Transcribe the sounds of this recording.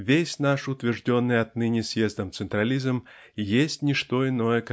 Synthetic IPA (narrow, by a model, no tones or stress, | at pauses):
vʲesʲnaʂut̪vʲɛrʐd͡zʲɔnːɨjat̪nɨnʲisʲjɛzd̪ɐmt̪sɨnt̪ɾalʲizm | jesʲt͡sʲnʲiʂt̪ɔinɔjɛk